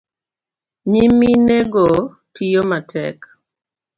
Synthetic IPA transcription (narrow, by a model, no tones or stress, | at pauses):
ɲimineɡo | tʰijomatʰɛ̰k